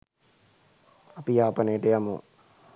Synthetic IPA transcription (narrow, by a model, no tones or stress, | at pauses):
apijaːpɐnejəʈəjamṵ